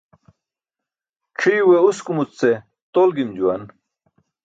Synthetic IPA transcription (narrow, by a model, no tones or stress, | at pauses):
ʈ͡ʂʰijweuskumut͡st͡se | t̪olɡimd͡ʑuwɐn